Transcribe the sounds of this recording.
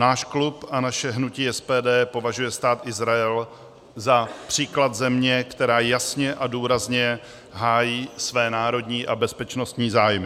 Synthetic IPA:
naːʃklupʔanaʃɛɦnuciːʔɛspɛːdɛːpo̞vaʒujɛst̪aːt̪ʔɪzɾaɛl | zapr̝̥iːklat̪zɛmɲɛkt̪ɛɾaːjasɲɛʔaduːɾazɲɛ | ɦaːjiːsvɛːnaːɾo̞dɲiːʔabɛspɛt͡ʃno̞st̪ɲiːzaːjmɪ

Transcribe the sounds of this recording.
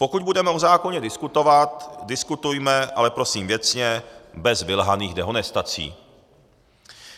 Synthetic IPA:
pokuɟ̚budɛmɛozaːkoɲɛdɪskut̪o̞vat̪dɪskut̪ujmɛʔa̰lɛpɾo̞siːmvjɛt͡sɲɛbɛzvɪlɦaniːɣdɛɦonɛst̪at͡sḭː

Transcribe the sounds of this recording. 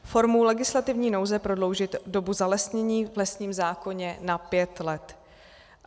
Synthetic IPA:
fo̞ɾmowlɛɡɪslat̪ɪvɲiːno̞wzɛpɾo̞dlo̞wʒɪt̪do̞buzalɛsɲɛɲiːvlɛstɲiːmzaːko̞ɲɛnapjɛt̪lɛt̪

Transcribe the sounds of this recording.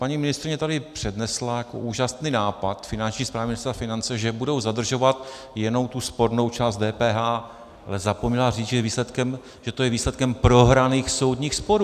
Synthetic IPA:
paɲimɪnɪst̪ɾɪɲɛt̪adɪpr̝̥ɛdnɛslajako̰ʔuːʒasniːnaːpat̪fɪnant͡ʃɲiːspɾaːvimɪnɪst̪ɾafɪnant͡sɛʒɛbudo̞wzad̪r̩ʒo̞vat̪ | jɛnowt̪uspo̞ɾno̞wt͡ʃaːst̪̚dɛːpɛːɦaː | a̰lɛzapomɲɛlariːt͡sʒɛviːslɛt̪kɛm | ʒ̥ɛt̪o̞jɛviːslɛt̪̚kɛmpɾo̞ɦɾaniːxso̞wdɲiːxspo̞ɾuː

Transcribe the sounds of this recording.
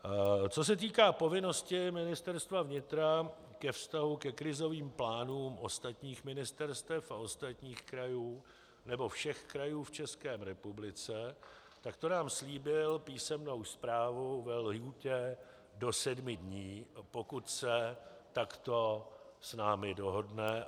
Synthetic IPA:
t͡so̞s̬ɛt̪̬iːkaːpo̞vɪno̞scɪmɪnɪst̪ɛɾst̪vavɲɪt̪ɾa | kɛfst̪aɦukɛkɾɪzo̞viːmplaːnuːmʔo̞st̪at̪ɲiːxmɪnɪst̪ɛɾst̪ɛfaʔo̞st̪at̪ɲiːxkɾajuː | nɛbo̞fʃɛxkɾajuːft͡ʃɛskɛːɾɛpublɪt͡sɛ | t̪akt̪o̞naːmsliːbɪlpiːsɛmno̞wspɾaːvuvɛlɦjucɛ | do̞sɛdmɪdɲiːpo̞kut̪sɛt̪akt̪o̞snaːmɪdo̞ɦo̞dnɛ

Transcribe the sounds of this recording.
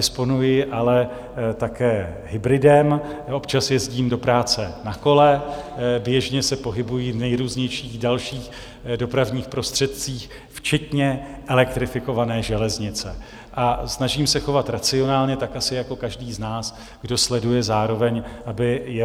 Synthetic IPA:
ɪspo̞nujɪʔalɛ | t̪akɛːɦɪbɾɪdɛmʔo̞pt͡ʃasjɛzɟiːmdo̞pɾaːt͡sɛnako̞lɛbjɛʒɲɛsɛpo̞ɦɪbujivnɛjɾuːzɲɛjʃiːɣdalʃiːx | do̞pɾavɲiːxpɾo̞st̪r̥ɛt̪̚t͡siːx | ft͡ʃɛt̪ɲɛʔɛlɛk̚t̪ɾɪfɪko̞vanɛːʒɛlɛzɲɪt͡sɛ | ʔasnaʒiːmsɛxo̞vat̪ɾat͡sɪo̞naːlɲɛt̪akʔasɪjako̞kaʒdiːznaːs | ɡ̥do̞slɛdujɛzaːɾo̞vɛɲʔabɪjɛ

